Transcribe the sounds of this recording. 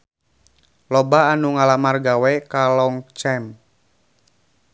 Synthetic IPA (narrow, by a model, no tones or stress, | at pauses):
lɔbaːnuŋalamarɡawɛkalɔŋt͡ʃɛm